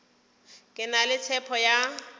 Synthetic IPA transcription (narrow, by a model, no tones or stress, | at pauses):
kʼɪnalɪt͡sʰɛpʰɔja